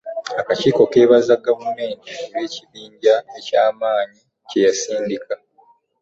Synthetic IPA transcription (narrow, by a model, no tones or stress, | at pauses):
akaciːko̞ke̞ːβazaɡavume̞ːntieβe̞ːciβiːɲɟae̞caːmaːɲi | ce̞jasiːndikʰa